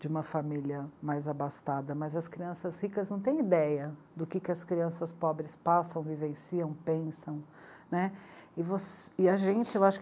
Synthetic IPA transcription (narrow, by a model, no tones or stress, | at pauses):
d͡ʒɪũmɐfamiljɐmajzabast̪ad̪ɐmɐzɐskɾiɐ̃sɐzhikɐznɐ̃w̃t̪ẽj̃id̪ɛjɐ | d̪ʊkɪkɪɐskɾiɐ̃sɐspɔbɾɪspasɐ̃w̃vivẽsiɐ̃w̃pẽsɐ̃w̃ | nɛɪvosɪɐʒẽnt͡ʃɪewaʃʊ̥k